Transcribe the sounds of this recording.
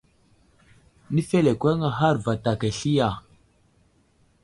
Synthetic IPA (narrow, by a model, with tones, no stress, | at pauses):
ni˦fe˦le˨kʷe˦ŋa˨ɦa˦˨ɾva˨ta˨ka˨ɬi˦ja˨